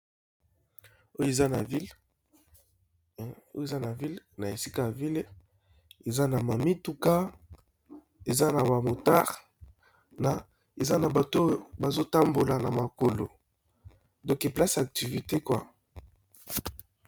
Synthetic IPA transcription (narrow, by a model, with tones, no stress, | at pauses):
o˦je˨za˦na˨vi˦l | o˦je˨za˦na˨vi˦lna˨e˨si̥˦ka˦ja˨vi˦l | e˨za˦na˨ma˨mi˦tu˦ka˦ | e˨za˦na˨ba˨mo˨ta̰˦ʁ | na˨ | e˨za˦na˨ba˨to˦˨ba˨zo˦ta˦mbo˨la˨na˨ma˨ko˨lo̰˨ | dɔ̃˦ke˨pla˦sa˨k̚ti˨vi˨te˦kwa˦